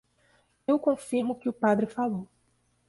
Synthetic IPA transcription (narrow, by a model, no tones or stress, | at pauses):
ewkõfiɾmʊkɪʊpad̪ɾɪfalow